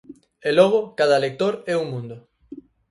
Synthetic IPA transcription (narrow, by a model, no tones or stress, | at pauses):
elɔɣ̞okaðalek̚t̪oɾɛumũnd̪ʊ